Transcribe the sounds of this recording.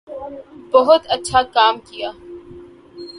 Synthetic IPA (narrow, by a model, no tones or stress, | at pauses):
bɐɦʊt̪ɐtːʃʰakaːmkijaː